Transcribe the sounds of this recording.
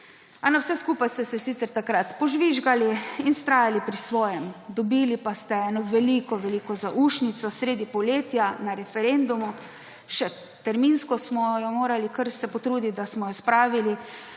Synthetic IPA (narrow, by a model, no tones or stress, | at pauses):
anɔwsɛskuːpajst̪ɛsɛsit̪sɛɾt̪akɾat̪pɔʒʋiʒɡaliinst̪ɾaːjalipɾisʋɔːjɛmd̪ɔbiːlipast̪ɛɛːnɔʋɛlikɔʋɛliːkɔzaʔuʃnit̪sɔsɾeːd̪ipɔleːt̪janaɾɛfɛɾend̪umu | ʃɛ | t̪ɛɾminskɔsmɔjɔmoːɾalikəɾsɛpɔt̪ɾuːd̪it̪̚d̪asmɔjɔspɾaːʋili